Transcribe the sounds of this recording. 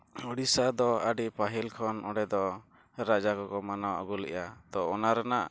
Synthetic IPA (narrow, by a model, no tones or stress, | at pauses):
ɔɽisad̪ɔəɖipaɦilkʰɔnɔɖɛd̪ɔ | ɾad͡ʒakɔkɔmanawɔ̰ɡulɛ̰ʔat̪ɔːnaɾanaʔ